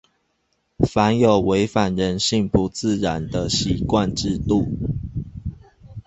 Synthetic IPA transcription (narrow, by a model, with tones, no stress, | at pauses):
fa˧˦njo˨˩ʊwe˧˦ɪfa˨˩nɻə˧˦nɕi˥˧ŋpu˧˦t͡sɹ̩˥˨ɻa˨˦nd̪ə˧ɕi˨˦kwa˥˨nʈ͡ʂɻ̩˥˧t̪u˥˨